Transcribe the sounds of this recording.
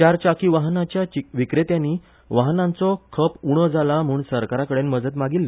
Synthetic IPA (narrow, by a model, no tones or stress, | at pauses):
t͡ɕaɾt͡ɕakiːʋaɦnat͡ɕjaʋikɾet̪janːiː | ʋaɦnãnt͡sɔkʰəpuɽ̃əd͡zʱalam̤uːɳsəɾkaɾakəɽenməd͡zət̪maɡilːe